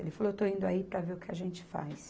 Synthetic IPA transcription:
ḛlɪfaloet̪oĩnd̪ʊaipɾɐveɾʊkɪaʒẽnt͡ʃɪ̥fa̰js

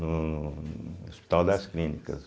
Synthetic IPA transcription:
nʊ | ospi̥t̪awd̪ɐsklinikɐ̰s

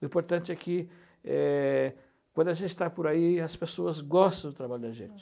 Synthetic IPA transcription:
ʊĩpoɾt̪ɐ̃nt͡ʃɪɛkɪ | ɛ | kwɐ̃nd̪ʊaʒẽnt͡ʃɪ̥t̪apʊɾaiɐspesoɐzɡɔst̪ɐ̃w̃d̪ʊt̪ɾabaʎʊd̪ɐʒḛ̃t͡ʃɪ̥

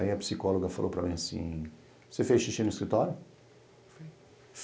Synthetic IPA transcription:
iɐpsikɔloɡɐfalʔopɾɐmẽj̃asḭ̃ | osefeʃiʃĩnʊiskɾit̪ɔɾjʊ | f | f

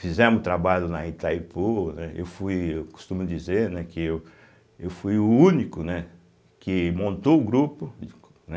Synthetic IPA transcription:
fizɛ̃mʊt̪ɾabaʎʊnɐit̪ajponɛʔḛwfujewkʊ̥st̪ũmʊd͡ʒizeɾnɛkɪew | ewfujʊũnikʊnɛ | kɪmõnt̪oʊɡɾupʊ | nɛ

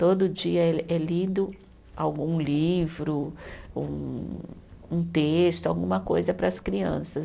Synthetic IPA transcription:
t̪od̪ʊʊd͡ʒiɐeɛlid̪ʊ | awɡũlivɾʊṵ̃ | ũt̪est̪ʊawɡũmɐkojzɐpɾɐskɾiɐ̰̃sɐ

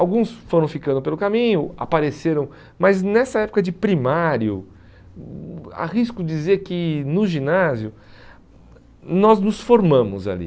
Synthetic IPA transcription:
awɡũsfoɾɐ̃w̃fikɐ̃nd̪ʊpelʊkamĩɲʊa̰paɾeseɾɐ̃w̃ | mɐznɛsɐɛpʊ̥kɐd͡ʒɪpɾimaɾjʊ | a̰ʁiskʊd͡ʒizeɾkɪnʊʒinazjʊ | nɔznʊsfoɾmɐ̃mʊza̰lḭ

